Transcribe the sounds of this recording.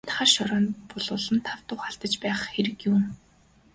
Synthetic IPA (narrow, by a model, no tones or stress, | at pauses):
t̪χaːrʃɔɾɔːnpɔɮʊːɮɞ̆nt̪ʰawt̪ʊχaɬt̪ə̆t͡ɕpæːχxeɾɘ̆kjuŋ